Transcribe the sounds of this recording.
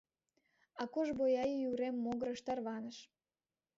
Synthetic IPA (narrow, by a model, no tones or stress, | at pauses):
ɑkoʒbojɑjəjuɾemːoɣəɾəʃt̪ɑrβɑnə̆ʃ